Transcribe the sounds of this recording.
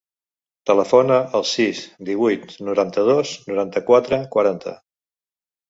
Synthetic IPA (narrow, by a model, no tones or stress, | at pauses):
t̪ələfonəʔːlˠsisd̪iβ̞ujt̪nuɾant̪əð̞oznuɾant̪əkwat̪ɾəkwəɾant̪ʰə̰